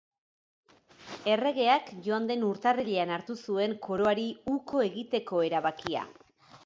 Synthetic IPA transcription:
e̞re̞ɣ̞e̞akʝo̞and̪e̞nuɾt̪ariʎe̞anaɾt̪usue̞ŋkʰo̞ɾo̞aɾiuko̞e̞ɣit̪e̞ko̞e̞ɾaβakia̰

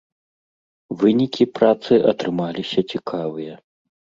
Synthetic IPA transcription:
vɨnʲikʲipɾat̪sɨʔɐt̪ɾɨmalʲisʲɐt͡sʲikʰavɨjɐ

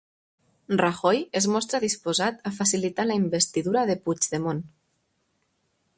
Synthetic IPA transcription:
raxɔjezmɔst̪ɾaðispozat̪afasilit̪alaimbest̪iðuɾaðepud͡ʒðemon

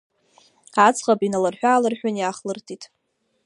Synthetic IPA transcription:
at͡sʰʼχapinalarħʷᶣaːlɨrħᶣanjaχlɨrtʰʼitʼ

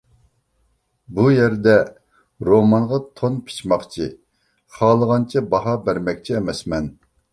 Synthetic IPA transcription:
bujɛɾd̪ɛ | ɾomɑnʁɑt̪ʰonpʰi̥t͡ʃmɑχqt͡ʃʰi | χɑːlˠəʁɑnt͡ʃʰɛbɑɦɑbæɾmɛkʲt͡ʃʰiːmɛsmɛn

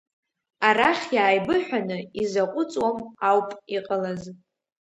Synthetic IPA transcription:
aɾaχʲjaːjbɨħʷᶣanɨizaqʷʼʊt͡sʼwamawpʼiqʼalaz

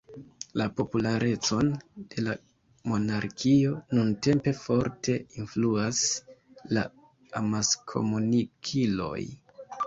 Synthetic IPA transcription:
lapo̞pulaɾʔe̞t͡so̞nd̥e̞la | mo̞naɾkʰio̞nunte̞mpe̞fo̞ɾtʰe̞influasla̰ | amaskʰo̞̰munikʰilo̞̰j

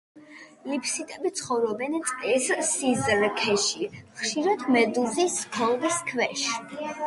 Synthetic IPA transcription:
lipʰsit̪ʼɛbit̪sʰχɔvɾɔbɛnt̪sʼt̪ʼissizɾkʰɛʃiχʃiɾat̪ʰmɛd̪uziskʰɔlˠviskʰvɛʃ

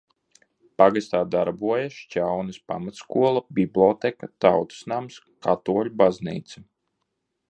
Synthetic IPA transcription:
paɡast̪aːd̪aɾbuɔjaʃt͡ʃʲawnɨspamat̪skuɔlˠabiblʲˠɔt̪ɛkat̪awt̪u̥snams | kat̪uɔlʲubaznḭːt̪sɨ

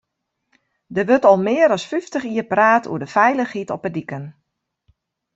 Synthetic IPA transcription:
dəʋøtɔlˠmɪəɾɔsfyftəxiəpraːtʰṵədəfɛjləxhitɔpədikən

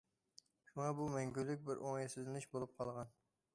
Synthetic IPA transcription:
ʃʊŋɑbumɛŋɡʲylːɪk̚ʲbɪɾʔoŋjɛsɪzlɪnɪʃbolˠʊp̚qʰɑlˠʁɑn

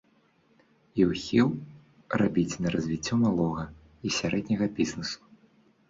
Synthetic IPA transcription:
iwxʲiw | rabʲit͡sʲnɐɾɐzʲvʲit͡sʲːɔmalˠɔɣɐ | isʲaɾɛd̪ʲnʲɐɣɐbʲiznɨsu̥

